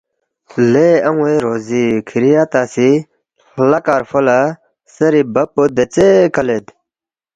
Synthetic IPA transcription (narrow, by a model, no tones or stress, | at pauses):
leɐŋ̃eɾoːzikʰiɾijaːt̪aːsi | lɐkaːɾfola | sɐɾibɐpod̪et͡sekɐled̪